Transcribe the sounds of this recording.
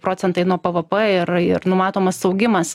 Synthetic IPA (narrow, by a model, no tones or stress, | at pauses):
pɾoːt͡ssʲɛnt̪ɐɪnuɔpɐʋɐpɐɪɾɪrnʊmɑːt̪oːmɐsɐʊɡʲɪmɐs